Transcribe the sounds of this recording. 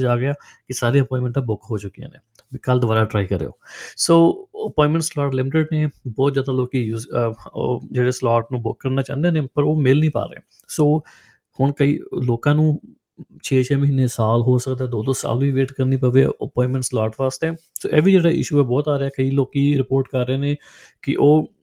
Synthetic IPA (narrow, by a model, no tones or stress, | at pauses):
d͡ʒaːɡɪaː | kɪsaːɾeːəpɔ̃ːɪ̃nmə̃ɳʈãbʊkɦoːt͡ʃʊkːijã̰ːnḛː | kəld̪ʊʋaːɾaːʈɾaːikəɾḛːo̰ːsoːəpɔ̃ːɪnmə̃ɳʈslɔːʈlɪmɪʈɪɖneːbɔːt̪zjaːd̪aːloːkiːjuːz | d͡ʒeːɽeːslaːʈnũːbʊkːəɾnaːt͡ʃã̰ːnd̪eːneːpəɾoːmɪlnĩːpa̰ːɾeeː | soː | hʊɳkəḭːloːkãːnũː | t͡ʃʰeːt͡ʃʰɛːməɦiːnːeːsaːlɦoːsəkd̪aːd̪oːd̪oːsa̰ːlʋiːʋeːʈkəɾniːpəːʋḛʔəpɔ̃ːɪ̃nmə̃ɳʈslaːʈʋaːst̪ɛː | so̰ːʔɛːʋiːd͡ʒeːɽaːʔɪ̰ʃuːɛːbɔːt̪aːɾeaːkəiːloːkiːɾɪpoːɾʈkəɾːeːneː | kɪ̰ʔoː